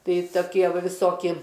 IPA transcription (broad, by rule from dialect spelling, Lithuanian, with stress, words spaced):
ˈtɐɪ toːˈkʲiɛ ˈʋɐ ʋʲɪˈsoːkʲɪ